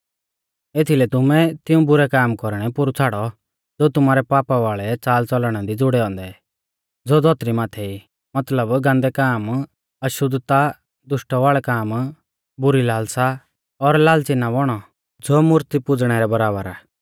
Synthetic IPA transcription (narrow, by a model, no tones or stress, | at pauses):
eːt̪ʰilɛt̪ʊmɛt̪ɪũbʊɾɛkaːmkɔɾɽ̃ɛpʊɾut͡sʰaːɽɔ | d͡zoːt̪ʊmaːɾɛpaːpaʋaːɭɛt͡saːlt͡sɔlɽ̃ad̪id͡zʊɽɛɔ̃ːnd̪ɛ | d͡zoːd͡zɔːt̪ɾimaːt̪ʰɛi | mɐt̪ləbɡãːnd̪ɛkaːm | ɐʃʊd̪t̪a | d̪ʊʃʈɔʋaːɭɛkaːm | bʊɾilaːlsa | ɔɾlaːlt͡sɪnːabɔɽ̃ɔ | d͡zoːmʊɾt̪ipʊd͡zɽ̃ɛɾɛbɐɾaːbəɾaː